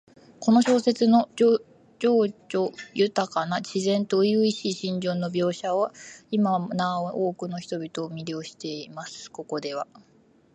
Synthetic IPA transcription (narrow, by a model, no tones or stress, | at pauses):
ko̞no̞ɕo̞ːse̞t͡sɨno̞o | d͡ʑo̞ːʑoːjɯ̟t̪akanaɕizẽ̞nt̪o̞ijɯ̟iɕiːɕĩɲ̟d͡ʑõ̞nːobʲo̞ːɕaβaimanaoʔoːkɯ̟no̞çi̥t̪o̞bʲit̪o̞ːmʲiɾʲjo̞ːɕi̥t̪e̞imasɨ̥ko̞ko̞d̪e̞β̞a̰